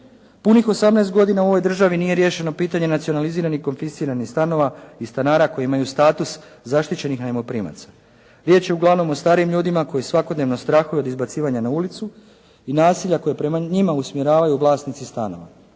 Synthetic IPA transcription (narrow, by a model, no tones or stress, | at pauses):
punixo̞samneːst̪̚ɡo̞d̪inauo̞ʋo̞jd̪r̩ʒaʋinije̞ɾje̞ːʃe̞no̞piːt̪aɲe̞nat̪sio̞naliziːɾanixko̞nfisiːɾanixst̪ano̞ʋaist̪anaːɾako̞jimajust̪aːt̪uszaʃt̪it͡ɕe̞nixnajemo̞pɾiːma̰t̪sḁ | ɾje̞ːt͡ɕje̞uɡlˠaʋno̞most̪aːɾiːmʎuːd̪imako̞jisʋakod̪neʋno̞st̪ɾaxujuo̞d̪izbat̪siːʋaɲanaulit̪su | inaːsiʎako̞jepɾe̞maɲimausmje̞ɾaːʋajuːʋlˠaːsnit̪sist̪ano̞̰ʋa